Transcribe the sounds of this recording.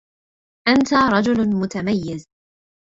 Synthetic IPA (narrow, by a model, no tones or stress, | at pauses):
ʔant̪aɾˤɑd͡ʒʊlmʊt̪amajːɪz